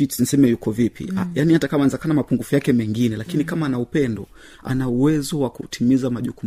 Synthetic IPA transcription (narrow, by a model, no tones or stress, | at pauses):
inisɛmɛjukɔvipḭajanihatakamanɛzakanamapuŋɡufujakɛmɛŋɡinɛlakinikamaːnaupɛndɔ | a̰nauwɛzɔwakṵtʰimizamaʄukum